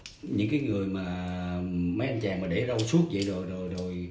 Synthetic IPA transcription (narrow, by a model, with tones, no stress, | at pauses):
ɲɨ̰˧˥ŋkaː˨˦jŋɨ˨˩əjmaː˨˩ | mə˨˦jʔa˧jnt͡ɕaː˨˩ŋmaː˨˩ɗe˧˩zə˧wsu˦˥ət̚zə̰˧˨jzo˨˩jzo˨˩jzo˨˩j